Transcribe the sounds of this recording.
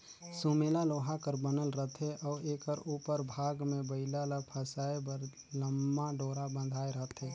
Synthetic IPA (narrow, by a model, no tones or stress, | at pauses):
sumelaloːɦakəɾbənəlɾəɦt̪ʰeʔɔːeːkəɾuːpəɾbʱaːɡmẽbəɪlalapʰəsaebəɾ | ləmːaɖoːɾabə̃nd̪ʱaːeɾəɦt̪ʰeː